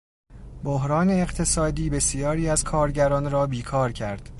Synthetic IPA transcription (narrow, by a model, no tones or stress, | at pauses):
boɦɾɒːne̞ːɢt̪ʰe̞sɒːd̪iːbe̞sijɒːɾiːæz̥kʰɒːɾɟæɾɒːnɾɒːbiːkʰɒːɾcʰæɾd̪̥